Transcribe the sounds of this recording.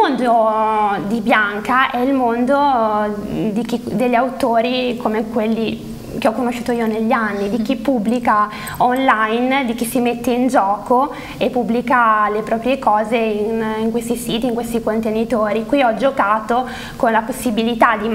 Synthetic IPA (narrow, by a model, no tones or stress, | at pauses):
ond̪od̪ibjaŋkaʔɛilmond̪o | d̪ik̟id̪eʎːawt̪oːɾikomekwelːi | keɔkːonoʃːuːt̪oiːoneʎːianːid̪ik̟ipːubːlika | onlajnd̪ik̟isimet̪ːeind͡ʒɔːko | epːubːlikalepɾɔːpɾjekɔːzeiniŋkwest̪isiːt̪iːŋkwest̪ikont̪enit̪oːɾikwiɔd͡ʒokaːt̪o | konlaposːibilit̪ad̪i